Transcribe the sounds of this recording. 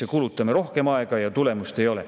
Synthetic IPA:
ekulut̪ːˑɑmeɾo̞hke̞mɑeɡ̥ɑjɑt̪ule̞must̪e̞jo̞lḛ

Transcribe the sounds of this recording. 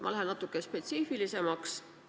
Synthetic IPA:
mʔɑ̰læɦennɑt̪ːˑukːˑespe̞t̪siːfilise̞mɑks

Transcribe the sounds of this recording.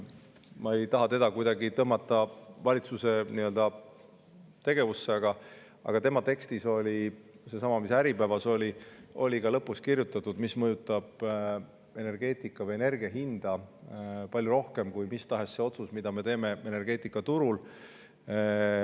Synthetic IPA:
mɑe̞jt̪ɑɦɑt̪e̞d̪ɑkujd̪ɑɡit̪ɤɦmːɑt̪ːˑɑvɑlʲit̪suse̞niøld̪ɑ | t̪e̞ɡ̥e̞vusːe̞ɑɡ̥ɑ | ɑ̰ɡ̥ɑt̪e̞mɑt̪e̞kst̪iso̞lʲi | se̞sɑmɑmisæɾipævɑso̞lʲiʔo̞̰lʲikɑlɤpːˑuskirjut̪ːˑɑt̪ːˑud̪̥mismɤjut̪ˑːɑb̥ | e̞ne̞rɡ̥e̞ːt̪ˑikːˑɑvɤjene̞rɡiɑɦind̪̥ɑ | pɑlʲjuɾo̞hke̞mkujmist̪ɑɦe̞sːe̞o̞t̪susmid̪ɑme̞t̪e̞ːme̞e̞ne̞rɡ̥e̞ːt̪ˑikːˑɑt̪uɾul

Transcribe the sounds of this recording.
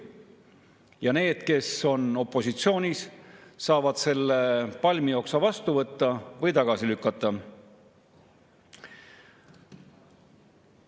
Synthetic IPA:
jɑne̞ːd̪̥ke̞so̞no̞pˑːo̞sit̪sio̞ːnʲisːɑːvɑd̪̥se̞lːepɑlʲmijo̞ːksɑvɑst̪uvɤt̪ːɑvɤjt̪ɑɡ̥ɑsilykːɑt̪ˑːɑ

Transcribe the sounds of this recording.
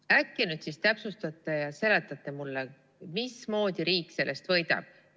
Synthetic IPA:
ækːinyːd̪̥sist̪æpsust̪ɑt̪ːˑejɑse̞le̞t̪ːˑɑt̪ːˑe̞mulːe | mismo̞ːd̪iɾiːkːˑse̞lːe̞st̪vɤjd̪̥ɑ̰b̥̚

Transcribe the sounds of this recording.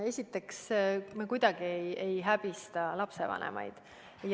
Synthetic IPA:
e̞sʲit̪ːˑe̞ksmekujd̪̥ɑɡ̥iejejɦæb̥ist̪ɑlɑpse̞̰vɑ̰nʔḛmʔɑ̰jd̪̥ | j

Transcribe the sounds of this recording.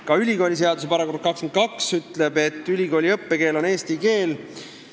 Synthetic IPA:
kɑylʲiko̞ːlʲis̬e̞ɑd̪use̞pɑɾɑkor̚kɑkskent̪̚kɑksyt̪le̞be̞t̪ːˑylʲiɡo̞ːlʲiɤpːe̞ke̞ːlo̞ne̞ːst̪ike̞ːl

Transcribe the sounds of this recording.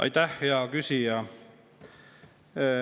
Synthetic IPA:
ʔɑ̰jt̪æhejɑkysijɑ

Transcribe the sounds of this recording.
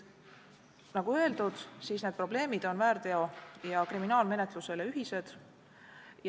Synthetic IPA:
nɑɡ̥uø̞eld̪̥ud̪̥siːsne̞d̪̥̚pro̞ble̞ːmid̪̥o̞nvæːɾd̪̥e̞o̞jɑkriminɑːlme̞ne̞t̪ˑluse̞le̞yɦise̞d̪̥ | j

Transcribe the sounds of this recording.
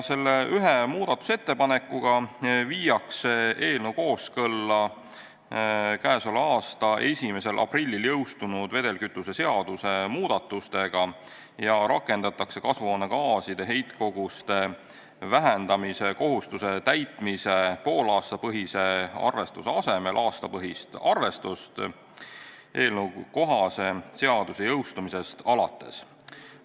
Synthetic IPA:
se̞lːeʔyɦemuːd̪̥ɑt̪ːˑu̥se̞t̪ːe̞pɑne̞kːˑuɡ̥ɑviːjɑkseʔe̞ːlnewko̞ːskɤlːɑ | kæːsolɑːst̪ɑʔe̞sʲime̞se̞lʔɑ̰prilʲːiljɤwst̪unud̪̥ve̞d̪̥e̞lkyt̪ˑːuse̞se̞ɑd̪̥use̞muːd̪̥ɑt̪ːˑust̪e̞ɡ̥ɑ | jɑɾɑkːˑe̞nd̪̥ɑt̪ːˑɑkse̞kɑsvo̞ːne̞kɑːsid̪̥e̞ɦe̞jt̪ko̞ɡ̥ust̪e̞ | væɦend̪̥ɑmise̞ko̞ɦust̪use̞t̪æjt̪ˑmise̞po̞ːlɑːst̪ɑpɤɦise̞ɑ̰rve̞st̪useɑse̞me̞lʔɑːst̪ɑpɤɦist̪ɑrve̞st̪ust̪ | ʔe̞ːlnəwuko̞ɦɑse̞se̞ɑd̪̥usejɤwst̪umise̞st̪ɑlɑt̪ːˑe̞̰s

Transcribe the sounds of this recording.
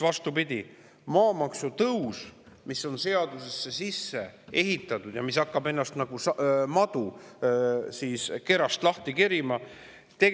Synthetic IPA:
vɑst̪upid̪̥ʲi | mɑːmɑksut̪ɤwsmisːo̞nse̞ɑd̪use̞sːe̞sisːe̞e̞ɦit̪ːˑɑt̪ˑud̪̥jɑ̰mis̬ɑkːˑɑbe̞nːɑst̪nɑɡ̥usmɑd̪̥u | siːske̞ɾɑst̪lɑht̪ikeɾimɑ | t̪e̞

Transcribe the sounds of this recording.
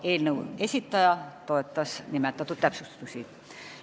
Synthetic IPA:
eilneuesit̪ːɑjɑt̪oet̪ːɑsnimæt̪ːˑæt̪ut̪ːæpsust̪e̥t̪usiː

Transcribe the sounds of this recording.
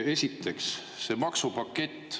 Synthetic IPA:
e̞sʲit̪ːe̞ksː | e̞mɑksupɑkːe̞t̪ˑː

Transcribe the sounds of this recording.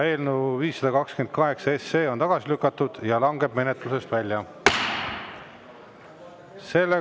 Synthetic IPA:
e̞ːlnuviːsːɑd̪ɑkɑkskymend̪̚kɑɦe̞ksɑesːe̞ːo̞nt̪ɑɡ̥ɑsilykːˑɑt̪ːˑud̪̥jɑlɑŋɡe̞b̥̚me̞net̪ˑluse̞st̪vælʲːjɑ | se̞lːe

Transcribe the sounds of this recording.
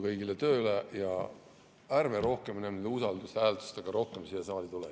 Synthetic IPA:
kɤjɡilet̪ø̞ːylejɑ | ærveɾo̞hke̞mnæmd̪usɑld̪usæːlt̪u̥st̪eɡ̥ɑɾo̞hke̞msiesɑːlit̪ule

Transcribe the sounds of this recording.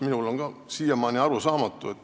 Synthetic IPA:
minulo̞ŋɡ̥ɑsiːjɑmɑːnʲiɑɾusɑːmɑt̪ːˑuet̪ː

